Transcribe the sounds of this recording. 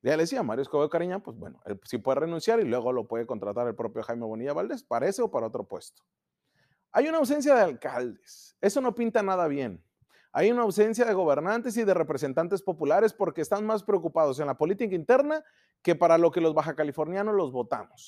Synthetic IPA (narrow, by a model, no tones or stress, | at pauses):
ɟ͡ʝaleesiamaɾjoskoβekaɾiɲapwezbwḛno̰ḛlsipwe̞ðrenũnsjaɾilwe̞ɣo̞lo̞pweðe̞ko̞nt̪ɾat̪aɾelpɾo̞pjo̞xajme̞βo̞niʝaβald̪e̞spaɾae̞seo̞paɾao̞t̪ɾo̞pwe̞st̪o̥ | ajunaːws̬e̞ns̬jað̞ealkald̪e̥s | e̞so̞no̞pint̪anaðaβ̞je̞n | ajunaːwse̞ns̬jað̞e̞ɣo̞βe̞ɾnant̪e̞s̬iðe̞re̞pɾe̞se̞nt̪ant̪e̞spo̞pulaɾe̞spo̞ɾke̞ːst̪anmaspɾeo̞kupað̞o̞s̬e̞nlapo̞lit̪ikaint̪e̞ɾna | ke̞paɾalo̞ke̞lo̞zβaxakalifo̞ɾnjanozlo̞zβo̞t̪a̰mos